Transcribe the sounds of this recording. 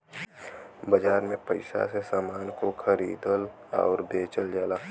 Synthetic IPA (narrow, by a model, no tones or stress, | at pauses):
bəd͡ʒaːɾmẽpəɪsa̰sesaːmaːnkoxʰəɾḭːd̪əl | ɔ̰ːɾd̪eːt͡ʃəld͡ʒaːlaː